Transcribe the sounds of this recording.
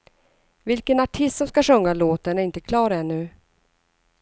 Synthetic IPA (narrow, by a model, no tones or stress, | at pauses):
vɪlkənaʈʰɪst̪sɔmskaʂɵŋːaloːt̪əɳæɾɪnt̪əkʰlɑːɾɛnːʉ̟ː